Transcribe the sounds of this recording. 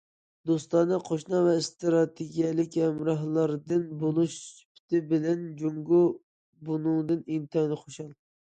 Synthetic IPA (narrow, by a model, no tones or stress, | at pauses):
d̪ost̪ɑnɨqʰoʃnɑvɛst̪ɾɑt̪ʰeɡʲijɛlˠɪkʲɛmɾɑɦlˠɑɾd̪ɨnbolˠuʃpʰi̥t̪ʰɪbɪlɛnd͡ʒoŋɡu | bunuŋd̪ɨnint̪ʰɑnɨχʰoʃɑlˠ